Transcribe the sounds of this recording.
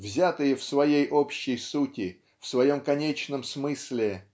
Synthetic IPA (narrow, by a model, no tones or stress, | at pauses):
vzʲat̪ɨjəfsvɐjejʔo̞pɕːɪjsutʲɪ | fsvɐjo̞mkɐnʲet͡ɕnəmsmɨsʲlʲɪ